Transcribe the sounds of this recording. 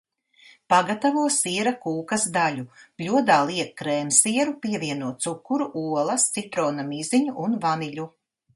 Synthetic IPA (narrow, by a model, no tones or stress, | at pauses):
paɡat̪avuɔsiɛɾakuːkɐsd̪aluplʲuɔd̪aːlˠiɛkkːɾɛːmsiɛɾupiɛviɛnuɔːt̪sukːuɾuʔuɔlˠɐst̪sit̪ɾɔːnamiziɲuʔunvaniʎʲu